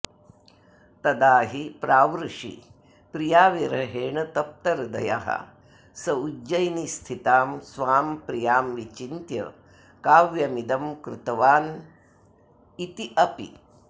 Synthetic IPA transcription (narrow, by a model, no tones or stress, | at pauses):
t̪ɐd̪aːɦipɾaːʋɾuʂḭ | pɾijaːʋiɾɐɦeːɳɐt̪ɐp̚t̪ɐɾd̪ɐ̰ja̰ɦɐ̰ | sɐud͡ʒɐjnist̪ʰit̪aːmsʋaːmpɾijaːmʋit͡ʃint̪jɐ̰ | kaːʋjɐmid̪ɐmkɾṵt̪ɐʋaːn | it̪iʔɐpḭ